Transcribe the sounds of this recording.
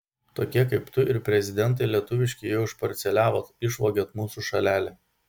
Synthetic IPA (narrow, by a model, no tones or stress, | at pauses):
t̪oːkʲiɛkɐɪpt̪ʊʔɪɾpʲɾʲɛzʲɪd̪ʲɛnt̪̬ɐɪlʲiɛt̪ʊʋʲɪʃʲkʲɪjɛʊʊɪʃpɐɾʲt̪sʲɛlʲæːʋoːt̪ɪʃʋoːɡʲoːt̪muːsuʃɐlʲæːlʲe